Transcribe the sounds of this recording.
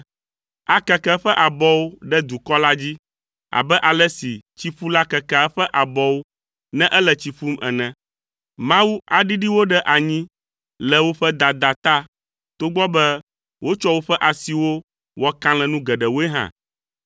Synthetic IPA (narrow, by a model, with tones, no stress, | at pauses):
a˨kɛ˨kɛ˦ɸɛ˦ʔa˨bɔ˦wo˦ɖɛ˦d̪u˨kɔ˦la˦d͡ʑi˦ | a̰˨bɛ˦ʔa˨lɛ˦si˨t͡ɕi˦ɸu˦la˦kɛ˨kɛ˨˦ɸɛ˦ʔa˨bɔ˦wo˦ | nɛ̃˦ʔɛ˦lɛ˨t͡ɕi˨ɸu˦mɛ̰˨nɛ̃˨ | mã˦wu˦a˨ɖi˦ɖi˦wo˦ɖɛ˦ʔa˨ɲĩ˦ | lɛ˨wo˦ɸɛ˦d̪a˨d̪a˨t̪a˦ | t̪o˦ɡ͡bɔ˦bɛ˦ | wʔo˦t͡ʃɔ˦wo˦ɸɛ˦ʔa˨si˨wo˦ | wɔ˦kã˦lɛ̃˨nũ˦ɡɛ˨ɖɛ˨wo˦e˦ɦã̰˨